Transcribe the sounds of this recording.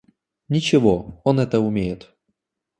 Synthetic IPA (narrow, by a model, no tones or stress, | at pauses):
nʲɪt͡ɕɪvoonɛt̪əʊmʲejɪt̪